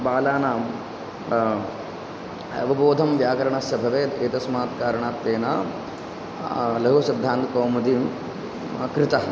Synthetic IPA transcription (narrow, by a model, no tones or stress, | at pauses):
baːlaːnaː | ɐ̰ʋɐboːd̪ʱɐmʋjaːkɐɾɐɳɐsɐbʱɐʋeːt̪eːt̪ɐsmaːt̪kaːɾɐɳaːt̪ːeːna | lɐɦusɪd̪ʱːaːnt̪koːmud̪im | kɾɪt̪ɐ